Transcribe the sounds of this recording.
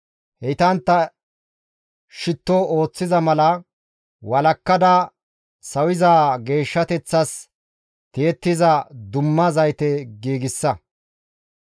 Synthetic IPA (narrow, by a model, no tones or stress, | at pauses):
hɛt̪ɐnt̪ːɐ | ʃɪt̪ːɔoːt͡sːɪzɐmɐlɐ | wɐlɐkːɐd̪ɐ | sɐwɪzaːɡe̞ːʃːɐt̪ɛt͡sːɐs | t̪eɛt̪ːɪzɐd̪ʊmːɐzɐjt̪ɛɡiːɡɪsːɐ